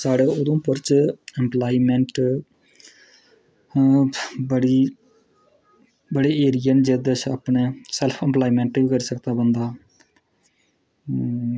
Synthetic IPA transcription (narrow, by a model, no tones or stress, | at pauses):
saːɽeːʊd̪õːpəɾt͡ʃɛmplaːiːmẽːɳʈ | bəɽiː | bəɽeːeːɾɪjənd͡ʒeːd̪ət͡ʃʰə̰pɳeːsɛlpʰə̃mplaːiːmẽːɳʈbiːkəɾiːsəkt̪aːbənd̪aː